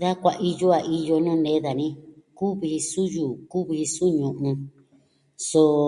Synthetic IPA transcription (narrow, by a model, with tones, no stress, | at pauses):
ða˦kʷa˧ʔi˧jo˦a˨ʔi˧jo˧nũ˦nẽ˨˦ða˨nĩ˦ku˦βi˧su˦juː˨ku˦βi˧su˦ɲũ˨ʔũ˧ | so˧